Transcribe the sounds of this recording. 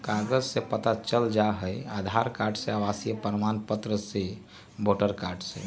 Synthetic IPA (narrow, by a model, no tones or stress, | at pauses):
kaɡəd͡ʒsepət̪at͡ʃəld͡ʒaɦəjad̪ʱaɾkaːɾɖseaʋasijəpəɾəmanpət̪ɾəse | boːʈəɾkaɾɖsḛ